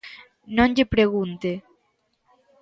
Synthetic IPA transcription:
nõnʎepɾeɣunt̪e

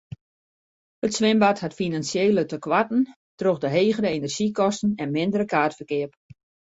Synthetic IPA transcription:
hətsʋɪmbathatfinansjeːlətəkʋatn̩ | troxdəɦeːɣəɾəenərʒikɔstn̩ɛnmɪndəɾəkaːtfərkɪəp

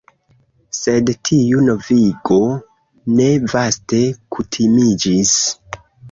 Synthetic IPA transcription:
se̞dtʰiunoviɡo̞ | ne̞vaste̞kʰutʰimid͡ʒis

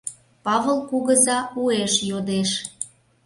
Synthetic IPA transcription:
pɑβəlˠkuɣəzɑueʃjod̪eʃ

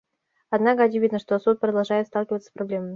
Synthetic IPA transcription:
ɐd̪nakəɐt͡ɕɪvʲid̪nəʂt̪osut̪̚pɾəd̪ɐlˠʐajɪt̪st̪ɑlˠkʲɪvət̪sə̥sprɐblʲeməmʲɪ

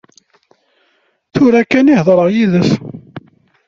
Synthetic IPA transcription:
θʊɾækːænihðˤɾˤəʁjiðəθ

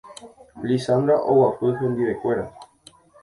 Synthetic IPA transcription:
lisand̪ɾaʔowapɨhẽnd̪iʋe̞kʷe̞ɾa

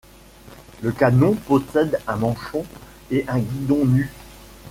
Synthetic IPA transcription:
ləkanɔ̃pɔsɛd̪ɛ̃mɑ̃ʃɔ̃ | eʔɛ̃ɡʲid̪ɔ̃ny

